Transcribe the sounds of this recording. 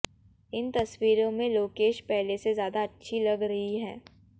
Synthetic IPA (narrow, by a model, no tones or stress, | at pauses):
ɪnt̪ɐswiːɾõmẽloːkeːʃpɛɦlesezjaːd̪aːtːʃʰilɐɡɾɐɦiɦɛ̰̃ː